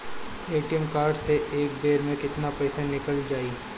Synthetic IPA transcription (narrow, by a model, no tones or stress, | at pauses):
eːʈijəmkaːɾɖseʔeːk̚beːɾmẽkɪt̪napɛːsanɪkəld͡ʒaːiː